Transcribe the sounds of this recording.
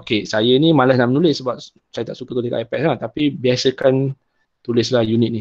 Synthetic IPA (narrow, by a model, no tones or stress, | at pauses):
okesajənimãlasnaʔmənulɪsəbap̚ | sajət̪aʔsukəkədəkaʔajpɛt̚sat̪apibiasəkan | t̪ulɪslahjunɪt̪̚ni